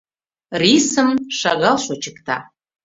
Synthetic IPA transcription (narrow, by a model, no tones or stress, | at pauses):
risəmʃaɣalʃot͡ʃʰɨkt̪ʰa̰